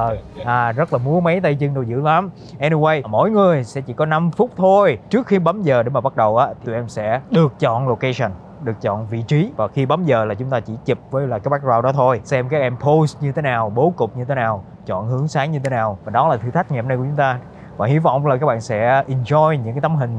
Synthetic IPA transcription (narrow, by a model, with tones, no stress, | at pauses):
əː˨˩ʔaː˨˩zə˦˥t̚laː˨˩mu˨˦əma˨˦jt̪ə˧jt͡ɕɨ˧ŋɗo˧wzɨ̰˧˥la˨˦m | ʔɛ˧ni˧we˧jmo̰˧˥jŋɨ˨˩əjsɛ̰˧˥t͡ɕḭ˧˥kɔ˨˦na˧mfʊ˦˥k͡p̚t̪ʰo˧jt͡ɕɨ˦˥ək̚xi˧ɓa˨˦mzəː˨˩ɗe˧˩˦maː˨˩ɓa˦˥t̚ɗə˨˩wʔaː˨˦t̪ʰi˨t̪i˨˩ʔɛ˧msɛ̰˧˥ɗɨ˨˩ək̚t͡ɕɔ̰˧˨nlo˨˩ka˧sə˨˩n | ɗɨ˨˩ək̚t͡ɕɔ̰˧˨nvḭ˧˨t͡ɕi˨˦vaː˨˩xi˧ɓa˨˦mzəː˨˩laː˨˩t͡ɕʊ˨˦ŋ͡mt̪aː˧t͡ɕḭ˧˩t͡ɕi˨˩p̚vəː˨˦jlaː˨˩kaː˦ɓa˦˥k̚zwaː˧wɗɔ˨˦t̪ʰo˧jsɛ˧mkaː˦˥k̚ʔɛ˧mpʰo˧˦st̚ɲɨ˧t̪ʰe˨˦naː˨˩wɓo˨˦kʊ˨˩k͡p̚ɲɨ˧t̪ʰe˨˦naː˨˩w | t͡ɕɔ̰˧˨nhɨ˨˦əŋsaː˨˦ŋɲɨ˧t̪ʰe˨˦naː˨˩wvaː˨˩ɗɔ˨˦laː˨˩t̪ʰɨ˧t̪ʰa˦˥k̟̚ŋɛ˨˩p̚na˧kt͡ɕʊ˨˦ŋ͡mt̪aː˧ | vaː˨˩hi˨˦vɔ̰˧˨wŋ͡mlaː˨˩kaː˦˥k̚ɓa̰ː˧˨nsɛ̰˧˥ʔi˨˩nzɔ˧jɲɨ̰˧ŋkaː˨˦jt̪a˨˦mɦï˨˩ŋ̟